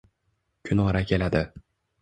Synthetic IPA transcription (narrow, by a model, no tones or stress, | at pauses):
kʲʰʊnʁɑɾakʲʰe̞lad̪ɪ